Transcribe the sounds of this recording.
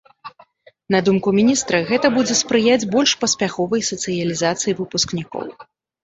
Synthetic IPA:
nɐd̪umkumʲinʲist̪ɾɐɣɛt̪ɐbud͡zʲɛspɾɨjad͡zʲbɔlʲʂpɐsʲpʲaxɔvɐjsɐt̪sɨjɐlʲizat̪sɨjivɨpusknʲikɔ̰w

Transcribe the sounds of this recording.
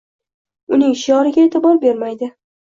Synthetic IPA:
ʊnɪŋʃɪjɒɾɪɡʲaet̪ʰɪbɒɾbe̞ɾmajd̪ɪ

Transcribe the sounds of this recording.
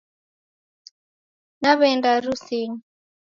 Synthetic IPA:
naβɛndaruseːŋi

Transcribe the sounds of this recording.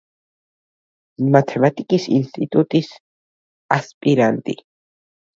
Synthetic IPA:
mat̪ʰɛmat̪ʼikʼisinst̪ʼit̪ʼut̪ʼis | aspʼiɾant̪ʼi

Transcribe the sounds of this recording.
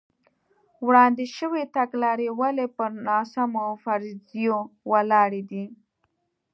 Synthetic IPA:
wɽɑnd̪ɪʃəwet̪aɡlɑɾewalepəɾnɑsamoawfaɾzjowalɑɾed̪i

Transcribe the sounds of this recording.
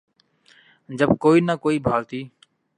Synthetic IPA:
d͡ʒəbkoːiːnəːkoːiːbʱaːlt̪iː

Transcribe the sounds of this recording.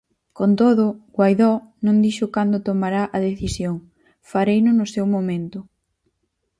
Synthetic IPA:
kont̪oðʊɡwajðɔnõŋd̪iʃʊkand̪ʊt̪omaɾaʔɐðeθisjoŋ | faɾejnʊnʊsewmomẽnt̪ʊ

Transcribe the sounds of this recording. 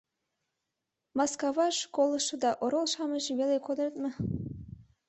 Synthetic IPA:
mɑskɑβɑʃkolˠɤ̆ʃɤ̆d̪ɑʔoɾolˠʃɑməʒeβelekod̪əɾt̪̚mə̆

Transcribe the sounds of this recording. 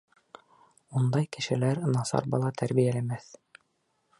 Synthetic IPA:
und̪ɑjkɘ̆ʃɘ̆læɾnɑsɑ̰ɾbɑlˠɑt̪ʰæɾβijælæmæθ

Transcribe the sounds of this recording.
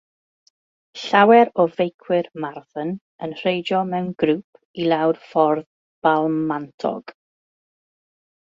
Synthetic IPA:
ɬawɛɾɔvejkʰwɪrmarθən | ənr̥ejd͡ʒɔmɛwnɡɾuːpʰ | ilˠawrfɔrð | b̥alˠmantʰɔ̰ɡ̥

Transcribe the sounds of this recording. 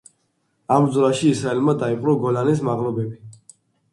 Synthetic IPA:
amzɾaʃiːsɾaɛlmad̪aiqʼɾɔɡɔlanis̬maʁlɔbɛbi

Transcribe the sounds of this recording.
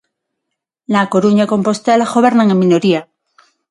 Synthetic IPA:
lako̞ɾuɲako̞mpo̞st̪elaɣoβe̞ɾnaŋemːĩno̞ɾia

